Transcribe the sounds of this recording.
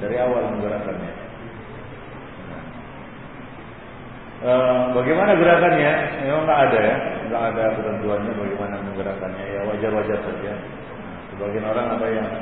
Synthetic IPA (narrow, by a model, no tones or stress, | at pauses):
daɾiawalməŋɡəɾakanɲa | na̰ | ʔəmbaɡajmanaɡəɾakanɲaemaŋɡaʔːdajaŋɡaʔːdakət̪ənt̪uanɲabaɡimanaməŋɡəɾakanɲajawad͡ʒarwad͡ʒarsad͡ʒa | nasəbaɡianoɾaŋapajaŋ